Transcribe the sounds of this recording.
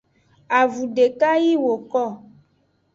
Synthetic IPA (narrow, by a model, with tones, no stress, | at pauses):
a˨vu˨ɖe˨ka˦ji˦wo˨kɔ˦˨